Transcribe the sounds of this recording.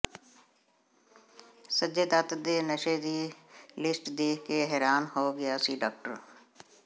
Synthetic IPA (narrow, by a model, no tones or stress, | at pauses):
səd͡ʒed̪ət̪d̪eːnəʃed̪ilɪsʈd̪eːkeɦɛːɾaːnɦoːɡɪjasiːɖaːk̚ʈəɾ